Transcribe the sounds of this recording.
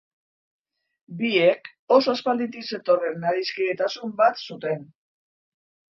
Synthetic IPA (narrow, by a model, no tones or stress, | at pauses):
bie̞k | o̞so̞aspald̪it̪̬ise̞t̪o̞re̞naɾiskiɣe̞t̪asumbat̪sut̪e̞n